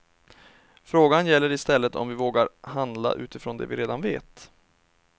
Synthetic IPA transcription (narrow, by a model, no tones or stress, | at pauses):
fɾoːɡanjɛlːəɾɪst̪ɛlːət̪ɔ̰mvɪvoːɡaɾɦand̪la̰ʔʉ̟ːt̪ɪfɾoːnd̪ɛ̰vɪɾeːd̪anveːt̪